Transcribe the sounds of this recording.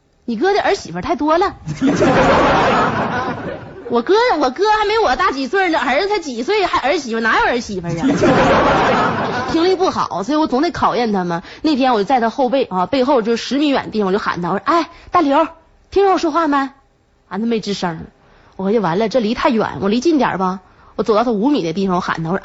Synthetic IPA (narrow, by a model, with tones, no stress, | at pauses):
ni˨˩k̬ɤ˥d̪ə˧ʔə˞˧˥ɕi˨˩fə˧˥t̪ʰa˥˩ɪt̪wɔ˥lə˨˧˥ | wɔ˨˩kɤ˥˨˩wɔ˨˩kɤ˥xa˧˥ɪme˧˥ɪɪ˧wɔ˨˩t̪a˥˩t͡ɕi˨˩swə˥˩nə˨˩xə˧˥ʂ̩˥˧tʰɪt͡ɕi˨˩˦swɔ˧˥i˨˩xa˧˥ɪə˞˧˥ɕi˨˩fə˧˩na˧˥jo˧˥ə˞˧˥ɕi˨˩fə˧˥ɻə˧˦˥o˥˧˥pʰi˧˥ŋli˥˧pu˥˩xɑ̰˨˩˦ʊswɔ˧˥˨wɔ˧˥t͡sʊ˧˥ŋt̪e˧˥kʰɑ˨˩ʊjɛ˥˩nt̪ʰa˧mə˨ne˥˩ɪt̪ʰjɛ˥nwjo˥t͡sa˥˧ɪt̪ʰa˥xo˥˧ʊpe˥˩ɪɐ˥˧pe˥˧ɪxo˥˧ʊt͡ɕjo˥˧ʊʂ̩˥˧ʂɻ̩˧˥mi˧˥nɥɛ̰˨˩ni˥˩˨o˥˩ʊxa̰˨˩na˧wɔ˧˩˥ʔa˥˩ɪt̪a˥˩ljo˧˥ʊ | t̪ʰi˥ŋɻwʂwɔ˥xwa˥˩ma˧˩ | a˧˥nt̪ʰa˥˧me˥˩ʈ͡ʂɻ̩˥˧ʂə˥˧˥ | wɔ˨˩˧t͡ɕjwa̰˧˥nlə˧ʈ͡ʂɤ˥˩li˧˥t̪ʰa˥˩ɪɥɛ̰˨˩˦nwɔ˨˩li˧˥t͡ɕi˥˩nt̪jə̰˞˨˩bɐ˧ | wɔ˧˩t͡s̪ɑ˥˧˩t̪ʰu˧˥mi˨˩d̪ə˦t̪̬i˥˩fɑ˨˩ŋwɔ˧˥xa̰˨˩nt̪ʰa˧˨˩